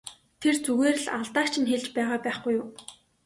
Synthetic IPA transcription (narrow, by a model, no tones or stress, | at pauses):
t̪ʰert͡suɣeːrɘ̆ɮa̰ɮt̪aːkt͡ɕʰɪ̆nxeɮt͡ɕpæːʁaːpæːχɡujʊː